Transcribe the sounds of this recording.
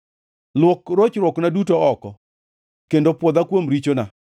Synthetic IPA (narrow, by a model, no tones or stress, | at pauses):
lwokɾot͡ʃɾwɔknadutoɔkɔ | kendopwɔd̪akwomɾit͡ʃona